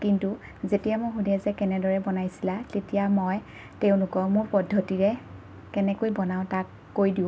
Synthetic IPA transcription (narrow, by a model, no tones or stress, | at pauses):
kintu | zetijamojxudɛzɛkɛnɛdɔɹɛbɔnajsilatetijamɔj | teʊ̃nʊkɔmʊɹpɔdʱːɔtiɹɛ | kɛnɛkojbɔnaʊ̃takːojdiʊ̃